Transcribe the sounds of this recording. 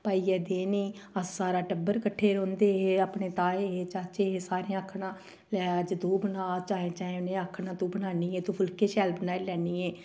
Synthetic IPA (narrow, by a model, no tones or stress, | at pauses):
paːiːɛːd̪eːniːəsːaːɾaːʈəbːəɾkəʈʰːeːɾõːnd̪eːɦapɳeːt̪aːeːeːt͡ʃaːt͡ʃeːɦeːsaːɾeãːəkʰɽãː | lɛːəd͡ʒd̪uːbənaːt͡ʃaːẽt͡ʃaːẽnẽːəkʰnãːt̪uːbənaːniːeːt̪õːpʰʊlkeːʃɛːlbənaːeːlɛːniːɛː